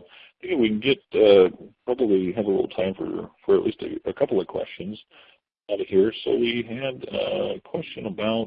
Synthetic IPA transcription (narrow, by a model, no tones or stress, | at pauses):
θɪ̃ŋkɨwin̩ɡɛt̚ʌpʰɹ̥ɑbəbliɨvəlɪ̰ɾl̩ˠtʰãɪ̃ɱfə̰˞fə˞ɨʔˡlʔistɨ̰ɨkʰʌpl̩ˠʌv̥kʰw̥ɛ̰st͡ʃɨ̃nz̥ | aʊɾɨv̥hiɹsoʊwiɨdkʰw̥ɛst͡ʃɨ̃nəbaʊt̚